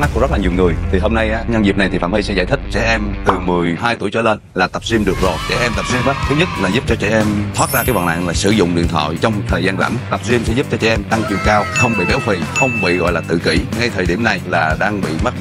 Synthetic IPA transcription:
a˦˥ku˧˦zə˦˥laː˨˩ɲi˨˩əwŋɨ˨˩əjt̪ʰi˨˩ɦoː˧mna˧jʔaː˨˦ɲa˧nzi˨˩p̚na˨˩jt̪ʰi˨˩fa̰ː˧˩mhi˧sɛ̰˧˥za̰ː˧˩jt̪ʰï˦˥k̟̚t͡ɕɛ̰˧˩ʔɛ˧mt̪ɨ˨˩mɨ˨˩əjɦaː˧jt̪u˧˩əjt͡ɕɔ˧leː˧nlaː˨˩t̪ə˨˩p̚si˧əmɗɨ˨˩ək̚zo˨˩jt͡ɕɛ̰˧˩ʔɛ˧mt̪ə˨˩p̚si˧mʔaː˨˦˥t̪ʰɨ˦˥ɲɨ˦˥t̚laː˨˩zu˦˥p̚t͡ɕɔ˧t͡ɕɛ̰˧˩ʔɛ˧mt̪ʰwaː˦˥t̚zaː˧kaː˨˦jva̰˨˩nʔa̰ː˧˨ŋlaː˨˩sɨ˧˩zʊ̰˧˨ŋ͡mɗḭ˧˨ənt̪ʰwa̰ː˧˨jt͡ɕɔ˧wŋ͡mt̪ʰəː˨˩jzaː˧nza̰˧˩mt̪ə˨˩p̚si˧msɛ̰˧˥˦zu˦˥p̚t͡ɕɔ˧t͡ɕɛ̰˧˩ʔɛ˧mt̪a˧ŋt͡ɕwḭ˧˨əŋkaː˧wxə˧wŋ͡mɓḭ˧˨t̪ɛ˨˦wfḭ˧˩˨xə˧wŋ͡mɓḭ˧˨ɣɔ̰˧˨jlaː˨˩t̪ɨ̰˧˨kḭ˧˩ŋa˧jt̪ʰəː˨˩jɗi˧˩əmna˨˩jlaː˨˩ɗaː˧ŋɓḭ˧˨m˦˥t̚

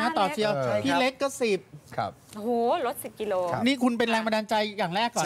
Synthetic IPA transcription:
aː˥˩t̪ɔː˨˩t͡ɕʰi˧ɐ˧pʰiː˥˧˩le˦˥k̚kːɔ˥˩si˨˩p̚kʰp̚ʔo˨hːlo˦˥t̪̚si˨˩p̚ki˧loː˧niː˥˩kʰu˧npe˧nɾɛː˧ŋma˧naː˧nt͡ɕa˧jːaː˨˩ŋɾɛː˥˩kːɔː˨˩

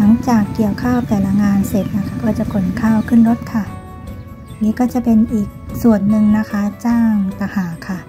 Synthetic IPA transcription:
la˩˦ŋt͡ɕaː˨˩kːi˨˩əwkʰaː˥˩wt̪ɛː˨˩la˧ŋaː˧nse˨˩t̪̚na˦˥kʰa˦˥˩kɔː˧˩t͡ɕa˨˩ko˨˩nkʰaː˥˩˨wkʰɯ˥˨nlo˧˦˥t̪̚kʰa˧˥˩ | niː˦˥kɔː˥˩t͡ɕa˨˩pe˧nʔiː˨˩k̚su˨˩ənːɯ˨˧ŋna˦˥kʰa˦˥t͡ɕaː˥˩ŋt̪a˧˩haː˨˩˦kʰa˥˩

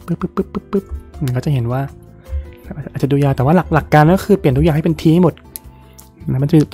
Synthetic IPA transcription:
pɯ˦˥pːɯ˦˥pʰːɯ˦˥pːɯ˦˥pːɯ˦˥p̚ʔːŋkɔː˥˩t͡ɕa˨˩hɦe˩˦nwaː˥˩ | lɛ˦˥ʔaː˨˩˨ʔt̚t͡ɕa˨˩duː˧jaː˧t̪ɛː˨˩waː˥˩la˨˩k̚la˨˩kːaː˧nː˦˥kʰɯː˧pli˨˩ənu˥kja˨˩˨ɦa˥˩˨pe˧nt̪ʰiː˧˦˩mo˨˩t̪̚ | na˦ma˧nt͡ɕː

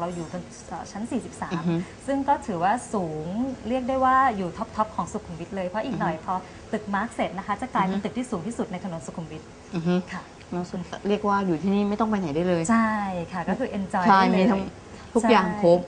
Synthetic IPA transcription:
ɾa˧wjuː˨˩ka˧n | ʔəː˨˩t͡ɕʰa˦˥nsiː˨˩si˨˩p̚saː˩˦m˥sɯ˥˩ŋkɔː˥˩t̪ʰɯː˩˦waː˥˩suː˩˦ŋɾi˥˩ək̚duː˥˩jwaː˥˩juː˨˩t̪ʰɔ˦˥p̚t̪ʰɔ˦˥p̚kʰɔː˩˦ŋsu˨˩kʰːu˧mwi˦˥t̪̚lɤː˧jpʰɾɔ˦˥ʔiː˨˩k̚nɔ˨˩jpʰɔː˧ | t̪ɯ˨˩k̚maː˦˥k̚se˨˩t̪̚na˦˥kʰa˦˥t͡ɕa˨˩klaː˧jpa˧t̪ɯ˨˩k̚t̪ʰiː˥˩suː˩˦ŋt̪ʰiː˥˩su˨˩na˧jt̪ʰa˧no˩˦nsu˨˩kʰːu˧mwi˦˥t̪̚ː | kʰa˥˩ | nɔ˧˩˨ɾi˥˩ək̚waː˥˩juː˨˩t̪ʰiː˥˩niː˥˩ma˥˩jt̪ɔ˥˩ŋpʰa˧na˩˦jduː˥˩jlɤː˧jt͡ɕʰa˥˩jkʰa˥˩kɔː˥˩kʰɯː˧ʔe˧nt͡ɕɔ˧jʰa˥˧˩jmiː˧t̪ʰa˦˥ŋ | t̪ʰu˦t͡ɕʰa˥jaː˨˥˩ŋpʰo˦˥p̚

